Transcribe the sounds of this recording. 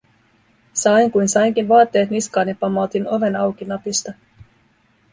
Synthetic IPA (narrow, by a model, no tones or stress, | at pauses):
sɑjŋkujnsɑjŋk̟inʋɑːt̪ːe̞ːt̪niskɑːnjɑpːɑmːot̪ino̞ʋe̞nɑwk̟inɑpist̪ɑ